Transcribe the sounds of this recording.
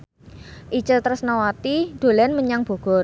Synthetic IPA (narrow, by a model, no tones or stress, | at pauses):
ʔit͡ʃət̪əɾəsnawat̪id̪̥o̤lɛnməɲaŋb̥o̤ɡ̥ɔr